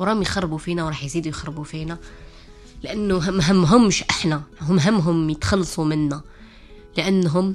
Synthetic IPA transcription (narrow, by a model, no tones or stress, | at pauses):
ɾˤɑmjxɑrˤbufinæwɾˤɑħjzid̪ujxɑɾˤːbufinæ | ləʔənːuɦɦəmːɦʊmːʃʔəħnæɦʊmɦəmːɦʊmjət̪xɑlːsˤumənːæ | ləʔənːɦʊm